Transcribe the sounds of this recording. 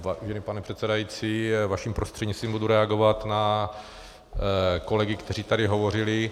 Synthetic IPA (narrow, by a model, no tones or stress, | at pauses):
vaʒɛnɪpanɛpr̥ɛt̪sɛdajit͡siːvaʃimpɾost̪r̥ɛdɲist̪viːmbuduɾɛaɡovat̪na | ko̞lɛɡɪkt̪ɛriːt̪adɪɦo̞vo̞rɪlɪ